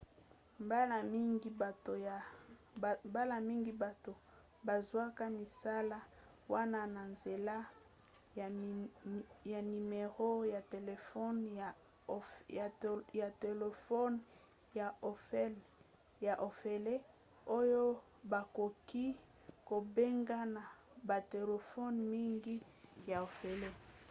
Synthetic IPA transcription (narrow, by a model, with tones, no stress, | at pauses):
mba˦la˨mi˦ŋɡi˨ba˨to˨ | mba˦la˦˨mi˦ŋɡi˨ba˨to˨ | ba˨zwa˦ka˦mi˨sa˦la˦ | wa˦na˦na˨nze˨la˦˨ | ja˨ni˨me˨ʁo˦ja˨te˨le˨fɔ˦n˨ | a˨ja˨te˨le˨fɔ˦n | ja˨o˨fɛ˦l | ja˨ʔo˨fe˨le˦ | o˦jo˦ | ba˨ko˨ki˦ | ko˨be˦ŋɡa˦na˨ | ba˨te˨le˨fɔ˦nmi˦ŋɡi˦ | ja˨o˨fe˨le˦